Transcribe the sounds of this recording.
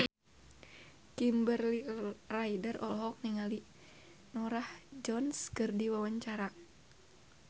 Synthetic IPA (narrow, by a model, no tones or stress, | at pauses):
kimbərliraidərʔɔlɦɔk̚niŋali | nɔɾahd͡ʒɔnskɨrdiwawaɲt͡ʃaɾa